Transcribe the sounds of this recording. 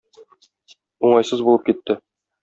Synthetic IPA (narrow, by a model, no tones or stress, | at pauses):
uɴɑjsɤzbulˠɤp̚kit̪ːɘ